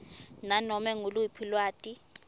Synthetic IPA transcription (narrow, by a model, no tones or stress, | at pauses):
nanɔmɛŋuluipʰilwaːtʼi